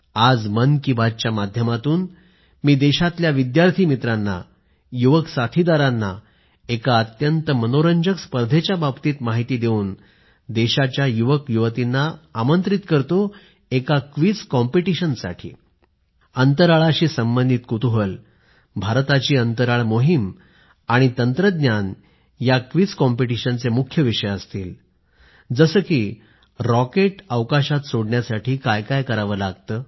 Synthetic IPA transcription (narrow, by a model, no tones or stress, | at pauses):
ad͡zmənkiːbad̚t͡ɕjamad̪ʱjəmat̪uːn | miːd̪eɕat̪ljaʋid̪jaɾt̪ʰiːmit̪ɾanːa̰ | juʋəksat̪ʰid̪aɾanːa̰ | ekaət̪jənt̪əmənoɾəɲd͡ʑəkspəɾd̪ʱet͡ɕjababt̪iːt̪maɦit̪iːd̪euːn | d̪eɕat͡ɕjajuʋəkjuʋət̪inːaːmənt̪ɾit̪kəɾt̪o | ekakʋit͡skɔmpiʈiɕənsa̰ʈʰḭː | ənt̪əɾaɭaɕiːsəmbənd̪ʱit̪̚kut̪uɦəl | bʱaɾt̪at͡ɕiːənt̪əɾaɭmoɦim | aɽ̃it̪ənt̪ɾəd̪njan | jakʋit͡skɔmpiʈiɕənt͡semukʰːjəʋiʂəjəst̪iːl | d͡zəsəːkiː | ɾɔkeʈəʋkaɕat̪soɽɳjasaʈʰiːkajkajkəɾaʋəːlaɡ̚t̪əː